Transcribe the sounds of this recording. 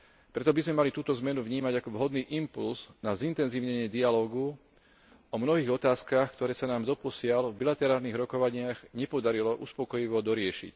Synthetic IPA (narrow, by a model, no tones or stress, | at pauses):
pɾɛt̪ɔbizmɛmalit̪uːt̪ɔzmɛnuvɲiːmaɟakɔʋɦɔd̪niːʔimpulznazint̪ɛnziːʊɲɛɲɪɛd̪ialɔːɡu | ɔmnɔɦiːɣɔt̪aːskaxkt̪ɔɾɛːsanaːmd̪ɔpɔsɪalvbilat̪ɛɾaːlniɣɾɔkɔʋaɲɪaɣɲɛpɔd̪aɾilɔʔuspɔkɔjiʋɔd̪ɔɾɪɛʃḭc